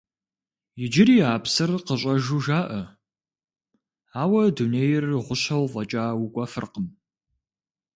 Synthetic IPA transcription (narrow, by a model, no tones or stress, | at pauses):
jɪd͡ʒɪɾiːaːpsɨrqəɕʼɐʒuːʒaːʔɐ | aːwɐduneːjɪrʁʷʊɕɐwvʼɐt͡ʃʼaːwukʷʼɐfɨ̰rqəm